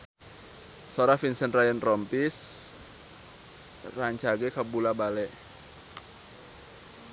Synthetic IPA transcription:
sɔɾafinsənt̪rajəntrɔmpis | raɲt͡ʃaɡɛkabulabalɛʔ

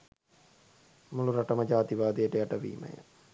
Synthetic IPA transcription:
muluɾaʈəməd͡ʒaːt̪iʋaːd̪ijəʈəjaʈəʋḭːmə̰jə̰

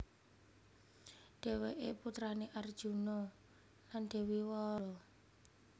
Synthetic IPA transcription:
ɖ̥ɛ̤weʔeput̪ɾaneʔard̥ʒ̥ṳnɔ | land̪̥e̤wiwɔlɔ

